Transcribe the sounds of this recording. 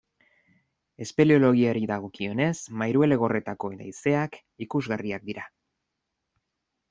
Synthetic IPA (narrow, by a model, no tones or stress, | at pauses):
e̞spe̞lio̞lo̞ɣ̞iaɾiðaɣ̞o̞kio̞ne̞smajɾue̞le̞ɣ̞o̞re̞t̪ako̞ed̪a̰jse̞ak | ikuzɣariak̚d̪iɾa